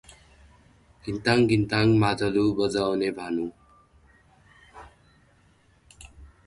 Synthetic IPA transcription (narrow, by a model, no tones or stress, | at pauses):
ɡint̪aŋɡʱint̪aŋmad͡zʱʌlubʌd͡zawnebʱanu